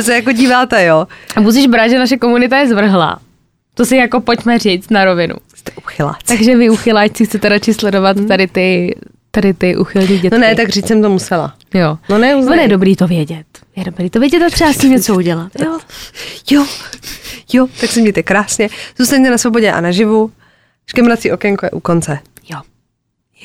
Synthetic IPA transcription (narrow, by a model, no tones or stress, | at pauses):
s̬ɛjakoɟiːvaːt̪ɛjoabus̬iʒbɾaʒɛnaʃ̬ɛko̞munɪt̪ajɛzvr̩ɦla̰ː | t̪osɪjako̞po̞cmɛriːt͡st̪naɾo̞vɪnʔṵst̪ɛʔuxɪla̰ːt̪aɡʒɛvɪuxɪlaːt͡ʃt͡sɪxt͡sɛt̪ɛɾat͡ʃɪslɛdo̞vat̪ːadɪt̪ɪ | t̪adɪt̪ɪʔuxɪlɲiːɟɛnonɛt̪aɡriːt͡ssɛmt̪omusɛla̰ | jononɛuzvonjɛdobɾiːt̪ovjɛɟɛt̪jɛdobɾiːt̪ovjɛɟɛt̪at̪r̥ɛbascimɲɛt͡souɟɛlat̪jo | jo | jot̪aksɛmɲɛjt̪ɛkɾaːsɲɛz̥uːst̪aɲt̪ɛnasvoboɟɛʔa̰naʒɪvu | ʃkɛmɾat͡siʔokɛŋkojɛ̰ʔukont͡sɛ | jo